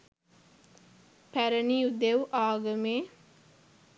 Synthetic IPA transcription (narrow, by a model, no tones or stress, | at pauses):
pæɾəniːud̪ewʔaːɡəmeː